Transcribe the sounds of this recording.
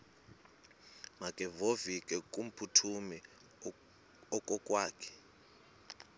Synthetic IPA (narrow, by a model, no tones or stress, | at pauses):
makʼɛvovikʼɛkʼum̩pʰutʰumi | ɔkʼɔkʼwaːkʰɛ̥